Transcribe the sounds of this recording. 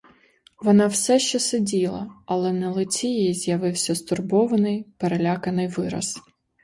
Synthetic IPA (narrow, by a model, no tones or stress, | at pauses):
ʋɔnɑwsɛʃt͡ʃɛsɪdʲilˠɐ̰ɐlˠɛnɛlˠɪt͡sʲijijizʲjɐʋɪwsʲɐst̪ʊrbɔʋɐnɪjpeɾelʲakɐnɪjʋɪɾɐ̰s